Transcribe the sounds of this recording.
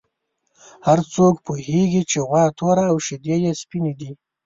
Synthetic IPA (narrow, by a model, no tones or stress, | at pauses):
haɾt͡sokpuheɡit͡ʃeɣwɑt̪ʰoɾaːwʃɪd̪ejespined̪i